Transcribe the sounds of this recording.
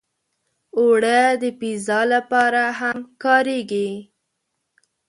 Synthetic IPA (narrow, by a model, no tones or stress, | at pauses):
oɽəd̪əpizɑlapɑɾaɦamkɑɾeɡi